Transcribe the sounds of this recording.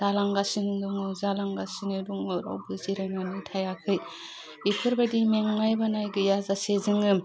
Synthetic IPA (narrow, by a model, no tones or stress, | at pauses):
d̥alaŋɡasinduŋɯzalaŋɡasinɯduŋɯɾa̰wbɯziɾananɯtʰajakʰɯj | bipʰɯɾbadimeŋmajbanajɡɯjazasezɯŋɯ